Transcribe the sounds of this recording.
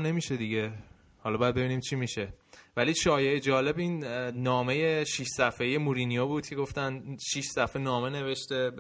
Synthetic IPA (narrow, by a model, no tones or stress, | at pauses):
ne̞miːʃe̞d̪iɟe | hɒlɒbɒjæd̪̚be̞biːniːmt͡ʃʰimiʃe̞væliːʃɒːje̞ʔed͡ʒɒːle̞biːnnɒːme̞je̞ʃiʃsæfeje̞muɾinijobuːd̪̥̚kcʰe̞ɡo̞ft̪ænd̪ʃiʃsæfenɒːme̞ne̞ve̞ʃt̪e̞